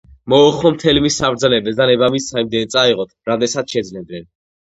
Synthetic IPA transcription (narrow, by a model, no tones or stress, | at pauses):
mɔːχɔmt̪ʰɛlimisːabɾd̪zɛnɛbɛsd̪anɛbamisaimd̪ɛnt̪sʼaiʁɔt̪ʰɾad̪ɛsat̪ʃɛd̪znɛd̪nɛn